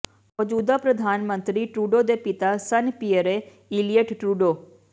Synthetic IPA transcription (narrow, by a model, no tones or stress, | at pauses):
mɔd͡ʒuːd̪aːpɾəd̪ʱaːnmə̃nt̪ɾiːʈɾuːɖoːd̪eːpɪt̪aːsənpijəɾeː | ilijəʈʈɾuːɖoː